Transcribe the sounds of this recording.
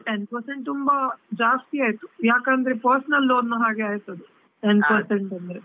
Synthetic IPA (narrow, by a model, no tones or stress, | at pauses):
ʈenpɐɾseɳʈ̚t̪umbɐd͡ʒaːst̪iaːjt̪ujaːkand̪ɐɾepɐɾsɐnɐlːoːd̪nːɐɦaːɡeaːjt̪ɐd̪e | ʈenpɐɾseɳʈɐnd̪ɾe